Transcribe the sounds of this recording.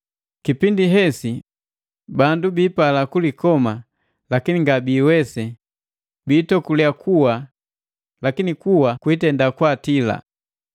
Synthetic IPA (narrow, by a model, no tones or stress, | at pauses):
kipindiɦɛsi | bandubiːpalakulikɔma | lakiniŋɡabiːwɛsɛ | biːtɔkuliakʰuwa | lakinikuwakwiːtɛndakwatila̰